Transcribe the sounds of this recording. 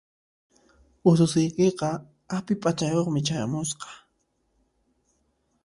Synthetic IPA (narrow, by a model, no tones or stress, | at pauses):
ʊsʊsɪjkeqɑ | apɪpʼat͡ʃajoχmɪt͡ʃaja̰mʊsqɑ̥